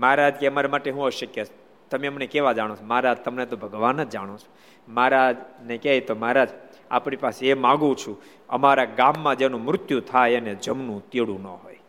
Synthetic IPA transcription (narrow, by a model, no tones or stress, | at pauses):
maɾad͡ʒkeəmaɾemaʈeɦũəʃəkjəs | t̪əmeəmnekeʋad͡ʒaɽ̃õt͡ʃʰomaɾad͡ʒt̪əmnet̪obʱəɡʋanːəd͡ʒaɽ̃ot͡ʃʰo̥ | maɾad͡ʒnekɛjt̪omaɾad͡ʒ | a̰pɳipaseemãɡũt͡ʃʰũ | ə̰maɾaɡamːãd͡ʒenũmɾʊt̪jut̪ʰajəned͡ʒəmnũt̪iɽũnə̰ɦo̰j